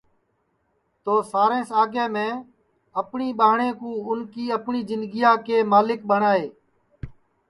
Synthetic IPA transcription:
t̪oːsaːɾẽːsaːɡeːmẽː | əpɳiːɓaːɦɳẽːkũːʊnkiːəpɳiːzɪnd̪ɡɪjãːkeːmaːlɪk̚ɓəɳaːeː

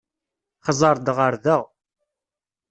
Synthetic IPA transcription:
χəzˤɑɾˤd̪ʁəɾðæʁ

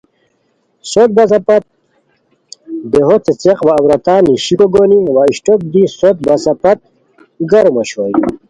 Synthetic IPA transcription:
sot̪̚bɐsɐpɐt̪̚ | d̪eɦot͡set͡seqʋaːwɾɐt̪aːniɕikoɡoniwaiɕʈok̚d̪isot̪̚bɐsɐpɐt̪̚ | ɡɐɾomɐɕoj

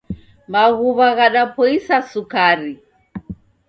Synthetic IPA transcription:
maɣuβaɣaɗapʰɔisasukaɾi

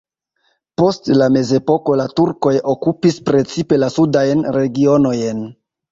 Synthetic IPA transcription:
po̞stlame̞ze̞po̞ko̞latuɾko̞jo̞kupispɾe̞t͡sipe̞lasudajnɾe̞ɡio̞no̞jn

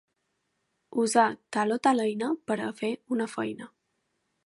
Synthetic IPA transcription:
uzat̪alot̪aləjnəpəɾəfeunəfəjnə

